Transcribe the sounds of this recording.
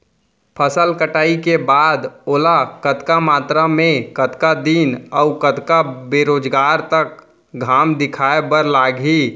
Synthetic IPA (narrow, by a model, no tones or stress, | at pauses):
pʰəsəlkəʈaːikebaːd̪oːlakət̪kamaːt̪ɾamẽkət̪kad̪iːnɔʊkət̪kabeɾoːd͡ʒɡaːɾt̪ək̚ | ɡʱaːmd̪ɪkʰaːebəɾlaːɡi